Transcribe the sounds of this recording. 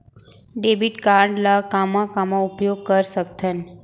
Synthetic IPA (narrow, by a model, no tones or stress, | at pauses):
ɖebiʈkaɾɳɖlakamãkamoupjoɡ̚kəɾsəkt̪ʰən